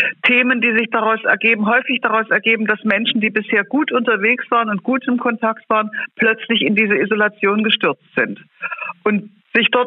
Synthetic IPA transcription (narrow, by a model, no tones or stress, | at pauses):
tʰeːməndiːzɪçd̥aʁaʊsɛɐɡeːbm̩ɦɔʏfɪçd̥aʁaʊsɛɐɡeːbm̩d̥asmɛnʃn̩diːbɪsheːɐɡuːtʔʊntɐveːksv̥aːʁ̞ənʊnt̚ɡ̥uːtɪmkʰɔntʰaktv̥aːʁənpl̥œt͡slɪçɪndiːzəizolat͡sjoːnɡəʃtʏɐt͡stz̥ɪnt | ʔʊnt | z̥ɪçd̥ɔɐt